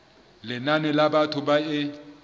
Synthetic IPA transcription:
lɪnanɛlabatʰʊbaɪ

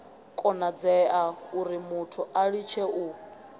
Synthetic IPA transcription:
kʼɔnad͡zɛauɾimutʰuʔaɺit͡ʃʰɛu

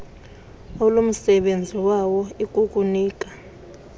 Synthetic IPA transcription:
ɔlom̩sɛɓend͡zʱiwawɔikʼukʼuniːk̬ʼḁ

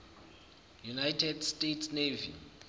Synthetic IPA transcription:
junajtʰɛdstʼetʰsnevḭ

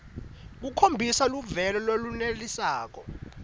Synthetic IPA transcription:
k̬ukʰombʱisaluvɛlɔlolunelisaːk̬ɔ

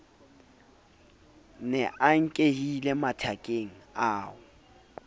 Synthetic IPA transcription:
nɛʔaŋ̩kʼehilematʰakʼeŋ̩aːʊ

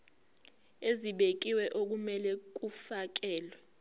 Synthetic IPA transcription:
eziɓek̬iwɛʔok̬umɛlɛk̬ufak̬ɛːlwɛ

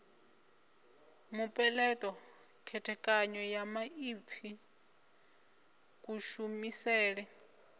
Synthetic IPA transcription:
mupʼɛlɛtʼɔ | kʰɛtʰɛkʼaɲɔjamaip̪fʰi | kʼuʃumisɛːɺɛ

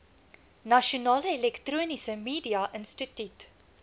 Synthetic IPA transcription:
nɐʃionɑːləelɛktruːnisəmiːdiɐʔənstətyt

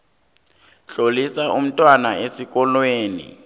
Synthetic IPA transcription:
ɬolisaʔum̩tʼwanaʔesik̬ʼɔlweːnḭ

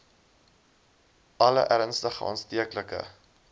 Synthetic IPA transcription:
ɐlə̰ʔæɾənstəχəɑ̰nstiəkləkə̰

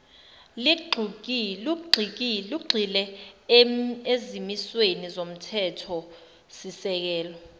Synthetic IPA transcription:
liɡ͡ǃʱuk̬luɡ͡ǃʱik̬iluɡ͡ǃʱilɛ | ezimiswenizom̩tʰɛtʰɔ | sisɛk̬ɛːlɔ

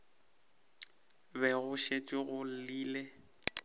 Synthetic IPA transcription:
bɛɣʊʃet͡ʃʼiɣʊl̩liːle

